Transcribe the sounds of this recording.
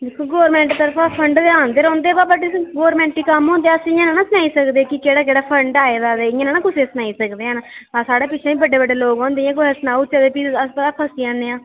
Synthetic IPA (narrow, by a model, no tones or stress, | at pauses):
d̪ekʰːoːɡoːɾmɛ̃ːɳʈt̪əɾfʰaːpʰəɳɖd̪eaːnd̪eːɾɔ̃ːnd̪eːbaːbəɖeɡoːɾmɛ̃ːɳʈːiːkəmɦõːnd̪eːasɪ̃jãːnãːnãːsənaːiːsəkd̪eːkɪkeːɽaːd͡ʒeːɽaːpʰəɳɖaːeːd̪aːd̪eɪjãːnãːnãːkʊseːsənaːiːsəkd̪eːɦənasaːɽeːpɪt͡ʃʰẽːiːbəɖːeːbəɖːeːloːɡɔ̃ːnd̪eːãːk̬oɦəsnaːut͡ʃaːd̪epiəspəɾaːkʰəsiãːneːãː